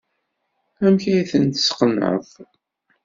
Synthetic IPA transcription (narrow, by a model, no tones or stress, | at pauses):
æmçæjθənt̪ə̥sqənə̰ð